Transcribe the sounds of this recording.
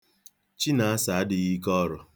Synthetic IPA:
t͡ʃi˦na˨a˦sa˨a˦dɪ˨ɣi˦kɔ˦ɾɔ˨

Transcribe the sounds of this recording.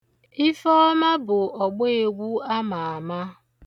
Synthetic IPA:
i˦fɔ˦ma˦bʊ˨ɔ˨ɡ͡be˦e˨ɡʷu˦a˦ma˨a˨ma˦

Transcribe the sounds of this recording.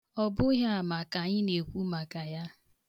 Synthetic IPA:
ɔ˨bʊ˦ɦa˦a˨ma˨ka˨ɲɪ˦ne˨kʷu˦ma˨ka˨ja˦

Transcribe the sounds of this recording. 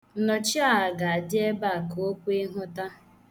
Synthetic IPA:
nɔ˨t͡ʃɪ˦a˦a˨ɡa˨a˨dɪ˦e˦ba˦˨ko˦kʷe˦ɦʊ˦ta˦

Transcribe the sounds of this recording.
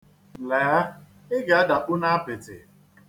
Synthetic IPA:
le˨a˦ | ɪ˦ɡa˨a˦da˨ʔu˦na˦a˦pɪ˨tɪ̰˨

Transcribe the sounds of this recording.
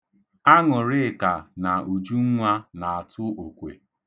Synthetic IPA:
a˦ŋʊ˨ɾɪ˦˨ka˨na˨u˨d͡ʒu˦ŋ̩˦ŋʷa˦na˨a˨tʊ˦o˨kʷḛ˨

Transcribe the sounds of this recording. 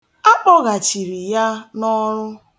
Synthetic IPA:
a˦k͡pɔ˦ɣa˨t͡ʃi˨ɾi˨ja˦nɔ˦ɾʊ˦

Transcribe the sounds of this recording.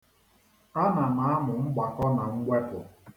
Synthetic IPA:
a˦na˨na˨˦a˦mʊ˨ŋ͡m̩˦ɡ͡ba˨kɔ˦na˨ŋ̩˦ɡʷe˦pʊ˨

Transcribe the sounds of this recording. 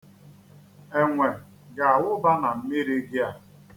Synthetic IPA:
e˨ŋʷe˨ | ɡa˨a˨wʊ˦ba˦na˨m̩˦mi˦ɾi˦ɡɪ˦a˦

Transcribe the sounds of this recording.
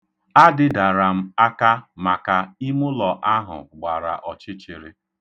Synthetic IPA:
a˦dɪ˦da˨ɾa˨m̩˦a˦ka˦ma˨ka˨i˦mʊ˦lɔ˨ʔa˦ɦʊ̰˨ɡ͡ba˨ɾa̰˨ʔɔ˨t͡ʃɪ˦t͡ʃɪ˨ɾɪ˦

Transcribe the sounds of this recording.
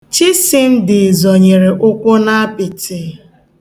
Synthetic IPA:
t͡ʃɪ˦sɪ˦n̩˦dɪ˨zɔ˨ɲe˨ɾe˨ʔʊ˦kʷʊ˦na˦a˦pɪ˨tɪ˨

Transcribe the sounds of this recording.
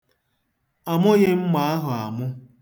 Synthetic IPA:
a˨mʊ˦ɣɪ˦m̩˦ma˨˦a˦ɦʊ˨a˨mʊ˦

